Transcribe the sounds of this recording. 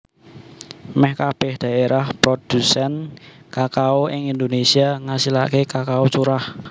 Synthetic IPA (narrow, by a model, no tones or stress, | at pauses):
mɛhkab̥ɛhd̪̥ä̤eɾahpɾod̪̥usɛnkakaoʔɪŋind̪onesiaŋasilakekakaot͡ʃuɾah